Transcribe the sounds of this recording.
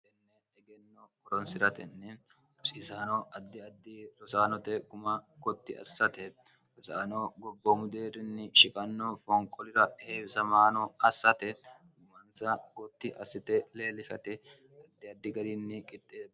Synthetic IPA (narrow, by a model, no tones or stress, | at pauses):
ɛnːɛ | ɛɡɛnːɔ | ɔɾɔnsɪɾɐt̪ɛ̰nːɛ | ʊsisaːnɔɐd̪ːɪɐd̪ːɪɾɔsaːnɔt̪ɛkʊmɐɡɔt̪ːɪɐ̰sːɐt̪ɛ | ɾɔsaːnoɡɔbːɔmʊd̪eːɾɪnːɪʃɪkʼɐnːɔfɔŋkʼːɔlɪɾɐheːbsɐmaːnɔɐsːɐt̪ɛ | ɡʊmɐnsɐkɔt̪ːɪʔɐsːɪt̪ɛleːlɪfɐ̰t̪ɛ | ɐd̪ːɪɐd̪ːɪɡɐɾɪnːɪkʼɪt̪ʼːeːd̪